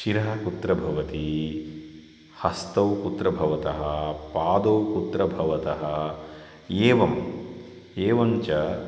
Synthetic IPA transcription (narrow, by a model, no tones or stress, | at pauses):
ʃiɾɐɦɐkut̪ɾɐbʱɐʋɐt̪i | hɐst̪ɐwkut̪ɾɐbʱɐʋɐt̪ɐɦɐpaːd̪ɐwkut̪ɾɐbʱɐʋɐt̪ɐɦɐ | eːʋɐm | eːʋɐmt͡ʃɐ